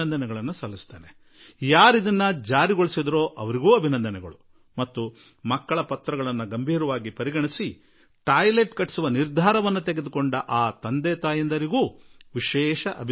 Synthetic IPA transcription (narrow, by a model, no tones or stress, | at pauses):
ɐnd̪ɐnɛɡɐɭɐnːusɐlːist̪ḛːne | jaːɾid̪ɐnːɐd͡ʒaːɾiɡoɭisid̪ɐɾoːʔɐʋɐɾiɡuːɐbʱinɐnd̪ɐnɛɡɐ̰ɭu | mɐt̪ːu | mɐkːɐɭɐpɐt̪ɾɐɣɐɭɐnːuɡɐmbʱiːɾɐʋaːɡipɐɾiɡɐɳisi | ʈaːjleʈkɐʈsuʋɐniɾd̪ʱaːɾɐʋɐnːut̪eɡe̞d̪ukoɳɖɐʔaːt̪ɐnd̪ɛːt̪aːjind̪ɐɾiɡuːʋiʃɛːʃɐʔɐbʱ